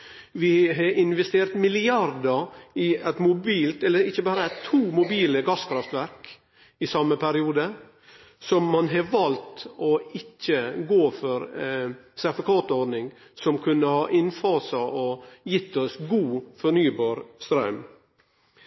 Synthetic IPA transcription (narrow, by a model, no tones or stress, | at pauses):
ʋɪɦɑʔɪnʋɛst̪eːɾt̪mɪlɪɑɾd̪əɾɪæt̪mʊbiːlt̪ɛlːəɾɪçːəbɑːɾəæt̪ʰːuːmʊbiːləɡɑskʰɾɑft̪ʋæɾk | ɪsɑmːəpʰæɾɪuːd̪ə | sɔmːɑnɦɑʋɑlt̪ɔɪçːəɡoːfɔɾ | sæɾfɑkʰɑːt̪ɔɾɖ̪nɪŋ | sɔmkʰʉnːəhɑːʔɪnfɑːsɑʔɔjɪt̪ːɔsɡuːfɔɳyːbɑːɾst̪ɾɑʉm